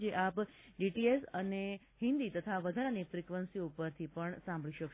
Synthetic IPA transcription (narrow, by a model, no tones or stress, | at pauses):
d͡ʒeʔapɖiʈiesəne | hɪ̃nd̪it̪ət̪ʰaʋəd̪ʱaɾanifɾikʋənsioupəɾt̪ʰipəɳsãmbʱɭiʃək